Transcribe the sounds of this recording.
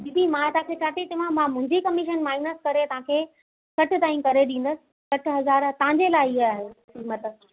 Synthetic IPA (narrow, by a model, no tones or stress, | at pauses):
bibʱimãt̪ɐʋãkʰeːt͡ɕʰaːʈit̪ɐʋ̤ãmãmʊ̃ɦɪ̃ɲd͡ʑikɐmɪʃənmaːɪnəskɐɾet̪ɐʋ̤ãkʰeː | sɐʈʰɪ̆t̪aːĩkɐɾeɗĩːn̆d̪əsɪ̥̆ | sɐʈʰɦɐzaːɾt̪ɐɦãɲd͡ʑelaːɪɪɦːɦesiːmət̪ə